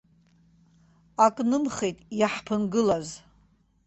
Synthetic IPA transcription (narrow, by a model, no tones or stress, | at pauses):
akʼnɨmχejtʼjaħpʰɨnɡɨlaz